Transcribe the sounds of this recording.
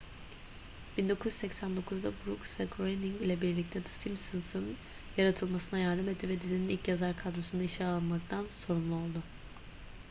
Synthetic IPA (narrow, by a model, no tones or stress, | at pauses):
b̥ind̪o̞kʰuzy̥sɛcsænd̪o̞kʰuzd̪abɾuksvɛɡɾojniŋɟlʲɛbiɾlʲic̚t̪ʰɛd̪ɯ̥simsɯnsɯn | jaɾat̪ʰɯlˠmasɯnajaɾd̪ɯmet̪̚dːivɛd̪izininilʲcjazaɾkʰad̪ɾosunaiʃaːlˠɯnmak̚t̪ʰanso̞ɾunlˠuo̞lˠd̪ʊ